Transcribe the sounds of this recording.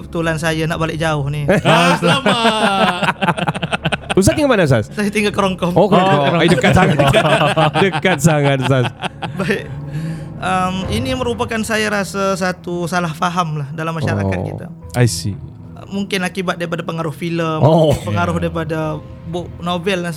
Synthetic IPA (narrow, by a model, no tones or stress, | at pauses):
bət̪ulansajanaʔbalɪʔ̚d͡ʒaʊhnisama | us̬at̪iŋɡamanas̬assajat̪iŋɡalkəɾɔŋkɔmokɔdəkasaŋadəkat̪̚saŋat̪̚sasbaɪk | əminiməɾupakansajaɾasas̬at̪usalahfaɦamlahdalamːaʃa̰ɾa̰a̰t̪̚kḭt̪a̰ | ʔajsḭ | ə̰muŋkɪnakibat̪̚daɾipadapəŋaɾʊhfiləmopəŋaɾʊhdaɾipada | bʊʔnobɛldans